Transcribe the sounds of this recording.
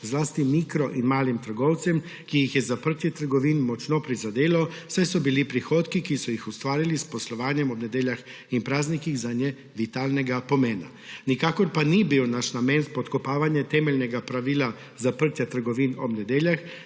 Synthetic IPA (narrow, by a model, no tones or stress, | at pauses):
zlaːst̪imikɾɔʔinmaːlimt̪əɾɡɔwt̪sɛm | kijixjɛzapəɾt̪jɛt̪əɾɡɔʋinmɔt͡ʃnɔpɾizad̪eːlawsajsɔbilipɾixoːt̪kikisɔjixust̪ʋaːɾilispɔslɔʋaːnjɛmɔbnɛd̪eːljax | inpɾaːznikiɣzanjɛ | ʋit̪alnɛɡapɔmeːna̰ | nikaːkɔɾpanibiwnaʃnamɛːnspɔt̪kɔpaːʋanjɛt̪ɛːmɛlnɛɡapɾaʋiːla | zapəɾt̪jat̪əɾɡɔʋinɔbnɛd̪eːljax